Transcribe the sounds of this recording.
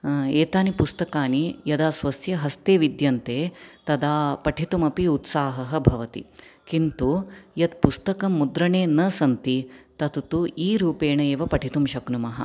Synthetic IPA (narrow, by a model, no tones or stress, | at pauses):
eːt̪aːnipust̪ɐkaːnijɐd̪aːsʋɐsjɐɦɐst̪eːʋid̪jɐnt̪eːt̪ɐd̪aːpɐʈʰit̪umɐpiut̪saːɦɐɦɐ̆bʱɐʋɐt̪ḭkint̪ujɐt̪̚pust̪ɐkɐmːud̪ɾɐɳeːnɐsɐnt̪it̪ɐt̪t̪uiːɾuːpeːɳɐeːʋɐpɐʈʰit̪umʃɐknumɐɦɐ̰̆